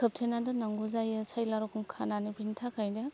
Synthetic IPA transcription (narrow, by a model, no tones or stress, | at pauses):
kʰɯp̚tʰenadɯnaŋɡuzajɯsajlaɾɔkʰɯmkʰananibintʰakʰajda